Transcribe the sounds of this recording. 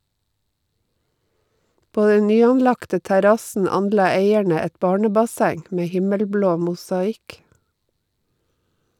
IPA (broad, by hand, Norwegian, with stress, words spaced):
ˈpoː ˈdɛn ˈnyːɑnˌlɑktə tæˈɾɑsn̩ ˈɑnˌlɑː ˈeɪæɳə ˈɛt ˈbɑːɳəbɑˌsæŋ ˈmeː ˈhɪməlˌbloː mʊsɑˈɪk